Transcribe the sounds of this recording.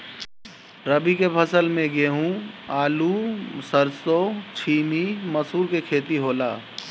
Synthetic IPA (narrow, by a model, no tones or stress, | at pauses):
ɾɐbikepʰɐsəlmẽɡeːɦũːaːlusɐɾsoːt͡ʃʰiːmimɐsuːɾkekʰeːt̪iɦoːlaː